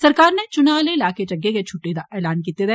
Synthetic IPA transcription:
sɐɾkaːɾnet͡ʃʊnaːleɪlaːket͡ʃɐɡːeket͡ʃʰʊʈːed̪aʔɛːlaːnkiːt̪ed̪ɛ

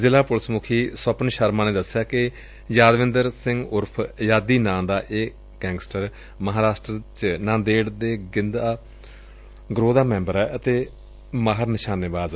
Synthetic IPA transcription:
zɪlaːpʊlsmʊkʰiːsəpənʃəɾmãːneːd̪əsɪjaːkɪ | jaːd̪ʋɪ̃nd̪əɾsɪŋɡʊɾpʰjaːd̪iːnãːd̪aːʔeː | ɡɛ̃ːŋɡsʈəɾ | məɦaːɾaːsʈɾət͡ʃnãːd̪eːɽd̪eːɡɪnd̪aː | ɡɾoːd̪aːmɛ̃ːmbəɾɛːʔət̪eː | maːɦəɾnɪʃaːneːbaːz

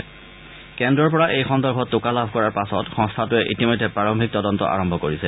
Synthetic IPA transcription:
kɛndɹɔɹpɔɹaʔejxɔndɔɹbʱɔtːʊkalabʱkɔɹaɹpasɔtxɔ̃ŋstʰatʊɛʔitimojdʱːɛpɹaɹɔŋbʱik̚tɔdɔntɔ̰ʔa̰ɹɔmbʱɔkoɹisɛ

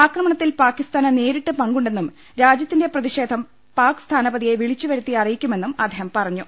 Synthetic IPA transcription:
aːkrɐmɐɳɐt̪ːilpaːkːist̪aːnɐne̞ːɾiʈːɨpɐŋɡuɳɖe̞nːum | ɾaːd͡ʑjɐt̪ːinde̞prɐðiɕe̞ːd̪ʱɐm | paːkst̪ʰaːnɐbɐd̪ijeʋiɭit͡ɕːuʋɐɾut̪ːiɐrijikʲːume̞nːumɐ̰d̪ʱeːɦhɐmpɐrɐɲːu

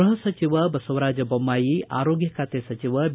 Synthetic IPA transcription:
ɦʌsət͡ʃiʋəbɐsowɾad͡ʒjɐbɔmːajia̰ɾoɡjəkat̪esɐt͡ʃiʋəb

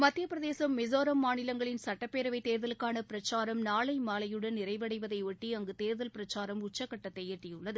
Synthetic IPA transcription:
mɐt̪ːɪjɐpɪɾɐðeːsɐmːɪzoːɾɐmːaːnɪlɐŋɡɐɭɪnsɐʈːɐpːeːɾɐʋɐɪt̪eːɾðɐlɯkːaːnɐpɪɾɐt͡ʃːaːɾɐmnaːɭɐɪmaːlɐjɯɽɐnnːɪɾɐɪʋɐɽɐɪʋɐðɐɪʋɛʈːiɐŋɡɯt̪eːɾðɐlpɪɾɐt͡ʃːaːɾɐmʊt͡ʃːɐkːɐʈːɐt̪ːɐɪeːʈrɪjɯɭːɐðɯ

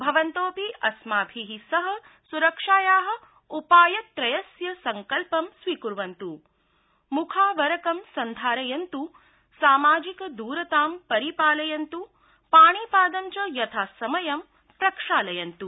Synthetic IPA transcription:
bʱɐʋɐnt̪oːpiʔɐsmaːbʱiɦisɐɦɐ̆ | suɾɐkʂaːjaːɦɐ̆ | upaːjɐt̪ɾɐjɐsjɐsɐŋkɐlpɐmsʋikuɾʋɐnt̪u | mukʰaːʋɐɾɐkɐmsɐnd̪ʱaːɾɐjɐnt̪u | saːmaːd͡ʒikɐd̪uːɾɐt̪aːmpɐɾipaːlɐjɐnt̪u | paːɳipaːd̪ɐmt͡ʃɐjɐt̪ʰaːsɐmɐjɐm | pɾɐkʂaːlɐjɐnt̪u

